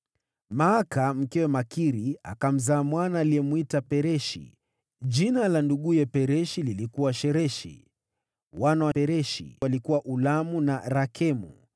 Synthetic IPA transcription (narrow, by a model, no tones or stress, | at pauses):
maːkam̩kɛwɛmakiɾia̰kam̩zaːmwanaːliɛmuitapɛɾɛʃḭ | ʄinalanduɠujɛpɛɾɛʃililikuwaʃɛɾɛʃḭ | wanawapɛɾɛʃḭwalikuwaʔulamunaɾakʰɛmṵ